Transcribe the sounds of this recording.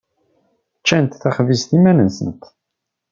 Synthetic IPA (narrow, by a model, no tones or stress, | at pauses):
t͡ʃːænt̪θæχvist̪imænənsə̰nt̪